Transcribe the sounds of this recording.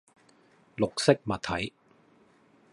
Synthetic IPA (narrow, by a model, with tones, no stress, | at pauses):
lʊ˨k̚sɪ˥k̚mɐ˨t̪ʰːɐ˨˥j